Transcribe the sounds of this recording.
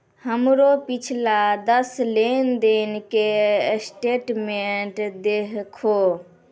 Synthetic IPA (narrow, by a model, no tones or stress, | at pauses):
həmɾopit͡ʃʰlad̪əslend̪enkesʈeːʈmeʈd̪eɦkʰo